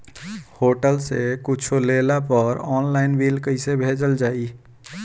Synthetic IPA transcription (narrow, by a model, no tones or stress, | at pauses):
hoʈəlsekʊt͡ʃʰolelapəɾɔːnlaɪnbilkəɪsebʱed͡ʒəld͡ʒaːi